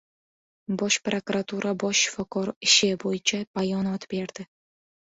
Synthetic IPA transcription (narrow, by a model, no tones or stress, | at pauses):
bɒʃpɾokuɾat̪ʰuɾʔabɒʃːɪ̥fɒkʰɒɾɪʃɪbojɪt͡ʃʰab̥ajɒnɒt̪beɾd̪̥ɪ